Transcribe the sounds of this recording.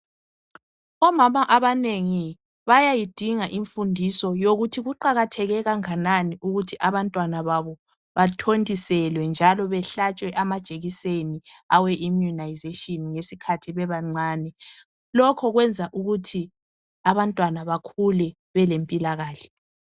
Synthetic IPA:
ɔmamaʔaβaneŋi | βajajid̥ʱiŋaʔiɱfundʱisɔjoɣutʰiɣuǃaɣatʰɛɣɛɣaŋananiʔuɣutʰiʔaβantʼwanaβaβɔ | βatʰondʱʼisɛlwɛnd͡ʒʱalɔβɛɬat͡ʃʼwɛʔamad̥ʒ̥ʱʼeɣiseniawɛʔimjunajzetʼiɔnŋesikʰatʰiβɛβaŋ͡ǀaːnɛ | lɔkʰɔɣwɛnd͡zʱaʔuɣutʰi | aβantʼwanaβakʰulɛ | βɛlempʼilaɣaːɬɛ̥

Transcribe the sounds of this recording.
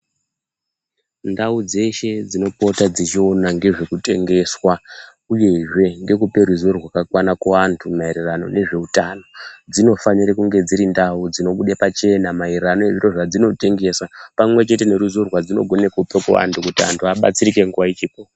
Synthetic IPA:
ndaud͡ze̞ʃe̞d͡zino̞po̞tad͡zit͡ʃio̞naŋɡe̞ʐekute̞ŋɡe̞swa | uje̞ʐe̞ŋɡe̞k̬upe̞ɾuzorwakakwanakoʋantʰumaiɾerano̞̰ne̞ʐe̞utano̞d͡zino̞faɲiɾekuŋɡe̞d͡ziɾindaud͡zino̞ɓuɗapat͡ʃe̞namairerano̞eʐiro̞ʐad͡zino̞te̞ŋɡe̞sapamwe̞t͡ʃe̞te̞ne̞ɾuzorwad͡zino̞̰ɡʱo̞nekupekuʋa̰ntʰukutia̰ntʰuaɓa̰t͡siɾikeŋɡuwait͡ʃiːpo

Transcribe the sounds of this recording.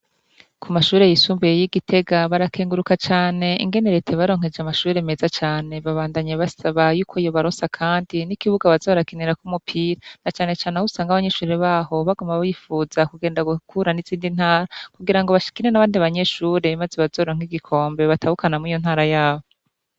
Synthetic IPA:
kʰumaʃuːɾe̞jisuːmbejejiɡitʰe̞ɡaβaɾakʰeːŋɡuɾukat͡ʃaːne̞ḭŋɡe̞niɾetʰeβaɾo̞ːŋ̥e̞d͡ʒamaʃuːɾe̞me̞zat͡ʃaːne̞βaβaːndaɲeβasaβajuːkʰoijo̞βaɾosakʰaːndinikiβuɡaβazoβaɾakiniɾakumupʰiːɾanat͡ʃaːne̞t͡ʃaːnehusaːŋɡaβaɲe̞ʃuːɾe̞βaːho̞βaɡumaβajifuːzakuɡe̞ːndaɡukʰuɾaniziːndin̥haːɾakuɡiɾaŋɡoβaʃi̥kiɾenaβaːndiβaɲe̞ʃuːɾe̞mazeβazo̞ːɾoŋ̥iɡikʰo̞ːmbe̞βatahukanamuijo̞n̥haːɾajaːβo

